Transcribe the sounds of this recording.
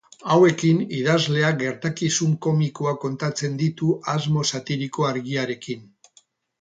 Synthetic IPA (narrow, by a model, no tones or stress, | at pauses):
awe̞kiniðazle̞aɡe̞ɾt̪akisuŋko̞mikoako̞nt̪at͡se̞nd̪it̪uʔazmo̞sat̪iɾiko̞aɾɣiaɾe̞kin